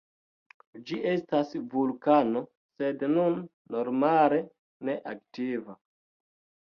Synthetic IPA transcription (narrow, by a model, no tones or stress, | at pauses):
d͡ʒiʔe̞stasvulkano̞ | se̞dnunː | oɾmale̞ | ne̞ʔaktiva